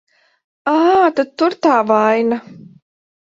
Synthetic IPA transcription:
aːt̪at̪ːuɾt̪aːvajna

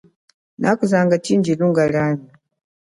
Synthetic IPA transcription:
na̰kuzaŋɡat͡ʃind͡ʒiluŋɡalani

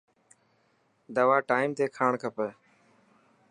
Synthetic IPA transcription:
d̪əʋaːʈaːimt̪eːkʰaːɳkʰəpəː

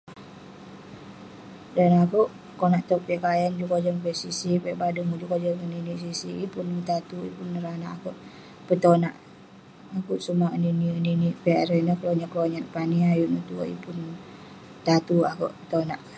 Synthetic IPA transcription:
danakuʔ | konaʔt̪ɔk̚pɛʔkajand͡ʒukod͡ʒɔŋpɛʔsisipɛʔbadumud͡ʒukod͡ʒɔəninisisiipunt̪at̪uḭpunɾanaʔakɔʔ | pət̪onaʔ | akuʔsumaəninininiʔpɛaɾɛnəkloɲaʔkloɲat̪̚paniajuʔnət̪uo̰ḭpun | t̪at̪uakɔ̰ʔpə̥t̪onaʔ

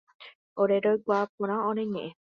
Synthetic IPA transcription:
oɾeɾojɡʷaːp̚õɾ̃ãõɾeɲẽʔẽ

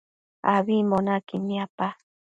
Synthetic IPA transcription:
a̰βimonakiniapa

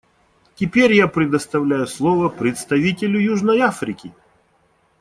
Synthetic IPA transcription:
tʲɪpʲeɾʲjapɾʲɪd̪əst̪ɐvlʲajʊslˠɔvəpɾʲɪt̪st̪ɐvʲitʲɪlʲʊjuʐnəjafɾʲɪkʲɪ

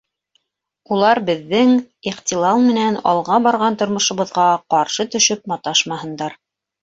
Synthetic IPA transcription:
ulˠɑɾbɘ̆ðːɘŋ | iχt̪ʲilˠɑlˠmɘ̆nænɑ̰lˠʁɑbɑɾʁɑnt̪ŏɾmŏʃŏβɤ̆ðʁɑqɑɾʃɤt̪ɵ̆ʃɵp̚mɑt̪ɑʃmɑɦɤ̆nd̪ɑɾ

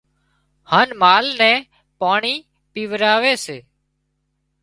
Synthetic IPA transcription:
haːnmaːlnɛ̃ː | paːɳiː | piːʋɾaːʋeːseː

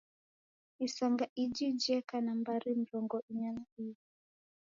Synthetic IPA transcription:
isaŋɡaʔid͡ʒid͡ʒɛkanambaɾim̩ɾɔŋɡɔʔiɲanaii

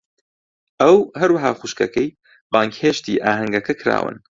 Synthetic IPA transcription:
ʔɐwɦɐɾwɐɦaːχuʃkɐ̰kʰɐj | baːŋkheʃt̪iːʔaːɦɐŋɡɐkʰɐkʰɾa̰ːwɨ̰n

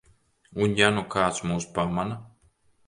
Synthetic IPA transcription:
unjanukʰaːt̪smuːspamana

